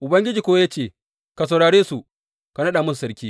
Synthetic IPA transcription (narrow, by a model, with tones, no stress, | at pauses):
ʔʊ˨bɐ˦ŋɡʲɪ˦d͡ʒiː˨kʷoː˦wa˦ja˦t͡ʃeː˦˨ | ka˨s̬ɐ˨wɽaː˨ɽeː˦su˨ | ka˨nɐ˦ɗaː˨mʊ˦ssɐ˦ɾkʲiː˦